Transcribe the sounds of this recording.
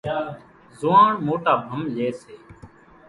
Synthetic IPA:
zʊːãːɳmoːʈaːbʱəmleːseː

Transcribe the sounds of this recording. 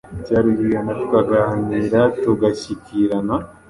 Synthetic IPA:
caːɾiβijanatu̥kaɡahniːɾatoɡaʃikiɾana

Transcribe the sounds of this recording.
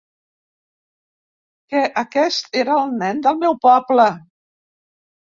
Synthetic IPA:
kɛʔəkɛst̪eɾəːlˠnɛnd̪əlˠmɛwpɔplə

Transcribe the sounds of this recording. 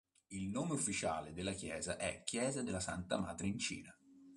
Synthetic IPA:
ilnoːmeufːit͡ʃaːled̪elːakjɛːzaʔɛ̰k̟ːjɛːzad̪elːasant̪amaːd̪ɾeint͡ʃḭːna

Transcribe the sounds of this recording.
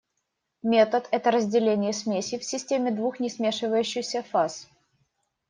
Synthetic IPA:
mʲe̞t̪ət̪ɛt̪əɾəzʲdʲɪlʲenʲɪjəsmʲesʲɪfsʲɪsʲtʲemʲɪd̪vuxnʲɪsmʲe̞ʂɨvəjʉɕːɪxsʲəfas

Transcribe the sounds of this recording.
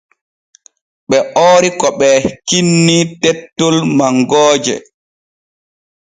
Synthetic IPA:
ɓɛʔoːɾikɔɓɛkinːitɛtːɔlmaŋɡɔːd͡ʒɛ̰

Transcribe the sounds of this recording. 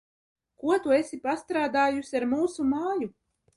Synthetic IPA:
kuɔt̪uesʲipast̪ɾaːd̪aːjusʲiaɾmuːsumaːju

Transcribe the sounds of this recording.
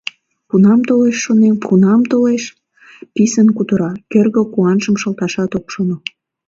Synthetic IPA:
punɑmt̪oleʃːonempʰunɑmt̪oleʃ | pisənkut̪əɾɑkørɣəkuɑnʒəmʃəlt̪ɑʃɑt̪okʃono

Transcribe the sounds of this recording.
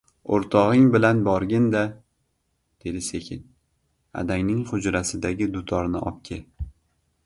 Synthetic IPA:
oɾt̪ʰɒʁɪŋbɪlanbɒɾɡʲɪnd̪a | d̪̥e̞d̪ɪse̞kʲʰɪn | a̰d̪aŋnɪŋχʊd͡ʒɾasɪd̪aɡʲɪd̪ʊt̪ʰɒɾnɪʔɒ̰p̚kʲʰɪ

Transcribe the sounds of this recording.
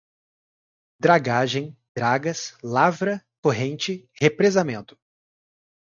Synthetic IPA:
d̪ɾaɡaʒẽj̃d̪̥ɾaɡɐslavɾɐkoɦẽnt͡ʃɪhepɾezamẽnt̪ʊ̥

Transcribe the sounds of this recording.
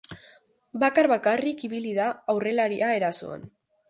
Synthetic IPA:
bakarβakarikiβiliðaːwre̞laɾiʔae̞ɾaso̞̰a̰n

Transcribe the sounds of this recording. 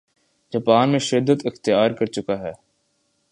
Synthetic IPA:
d͡ʒɐpaːnmẽʃɪd̪ːət̪ɪxt̪ijaːɾkɐɾt͡ʃʊkaɦɛː

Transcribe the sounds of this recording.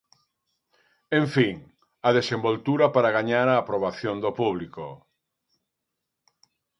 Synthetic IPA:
ẽɱfiŋ | ɐðesẽmbolt̪uɾapaɾaɣaɲaɾaːpɾoβ̞aθjond̪opuβliko

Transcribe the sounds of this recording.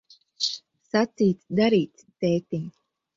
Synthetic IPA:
sat̪siːt̪sd̪aɾiːt̪st̪eːt̪iŋɡ

